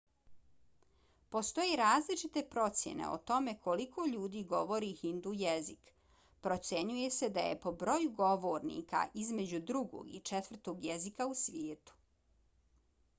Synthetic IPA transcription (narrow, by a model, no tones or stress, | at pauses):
po̞st̪o̞jeɾaːzlit͡ʃit̪e̞pɾo̞t̪sjḛnḛo̰t̪o̞me̞kʰo̞likʰoʎuːd̪iːɡo̞ʋo̞ɾihind̪ujezik | pɾot̪sjeɲuje̞se̞d̪ajḛpo̞bɾo̞juɡo̞ʋoːɾnḭːka̰ʔizme̞d͡ʑud̪ɾuɡo̰ɡḭt͡ʃet̪ʋr̩t̪o̞ːɡjezikausʋjeːt̪u̥